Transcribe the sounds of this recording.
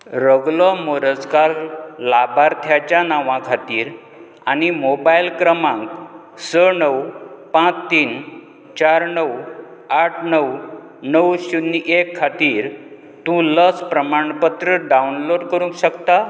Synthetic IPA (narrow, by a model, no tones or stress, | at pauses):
ɾəɡlɔmoɾəskaɾlabaɾt̪ʰjat͡ɕjanaʋãkʰat̪iːɾ | a̰nimobailkɾəmãŋk | sənəwpãt͡st̪iːn | t͡ɕaɾnəwaʈʰnəw | nəwɕuniʔekʰːat̪iːɾ | t̪ũləspɾəmaɳpət̪ɾəɖaunloɽkəɾũŋkɕəkt̪a